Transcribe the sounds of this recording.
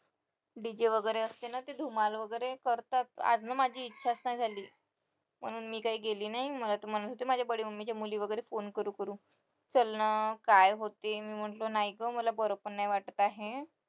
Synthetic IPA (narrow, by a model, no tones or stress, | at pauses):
ɖid͡ʑeʋəɡəjɾeəst̪enat̪ed̪ʱumalʋəɡəjɾekəɾt̪at̪̚a̰d͡znamad͡ʑʱiːtːɕʰasnajd͡zʱaliː | m̤əɽ̃uːnmiːkaɦiːɡeliːnaɦiməlat̪əm̤əñənot̪emad͡ʑʱjabəɽiːməmit͡ɕjamuliːʋəɡəjɾefonkəɾuːkəɾũː | t͡səlnəkajɦot̪emiːm̤əɳlonajɡəməlabəɾopənajʋaʈət̪aɦe